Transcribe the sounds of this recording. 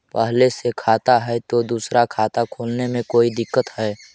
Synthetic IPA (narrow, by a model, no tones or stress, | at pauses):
pəɦlesekʰaːt̪aɦɛt̪od̪uːsɾakʰaːt̪akʰoːlnemẽkoːid̪ɪkːət̪ɦɛː